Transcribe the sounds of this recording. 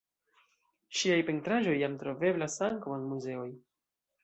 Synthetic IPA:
ʃiajpe̞ntɾaʒo̞jːamtɾo̞ve̞blasaŋkawanmuze̞o̞j

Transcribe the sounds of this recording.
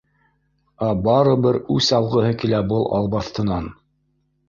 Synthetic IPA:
æbɑɾɤbɤɾʉsɑlˠʁɤ̆ɦɤkilæbɤlˠʔɑ̰lˠbɑθt̪ɤ̆nɑn

